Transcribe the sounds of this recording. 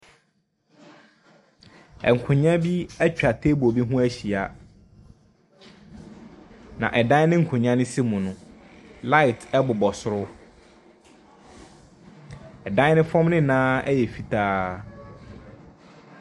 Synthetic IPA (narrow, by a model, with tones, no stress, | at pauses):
ɛ̰˨ŋ̩˨kʰʊ̃˨ɲã˦bi˦æ˦t͡ɕᶣa˨tʰe˦bo˨bi˦ɦʊ̃˦æ˦ɕi˨a˨ | nã̰˨ʔɛ˨dã˦nɪ̃˦ŋ̩˨kʰʊ̃˨ɲã˦nɪ̃˦sɪ˦mũ˨nʊ̃˦ | la˦ɪ˨tʰɛ˦bʊ˨bɔ˨sʊ˨ɾʊ˦ | ɛ˨dã˦nɪ̃˦fɔ̃˦mnɪ̃˦˨nãː˦ɛ˦jɛ˨fi˨tʰaː˦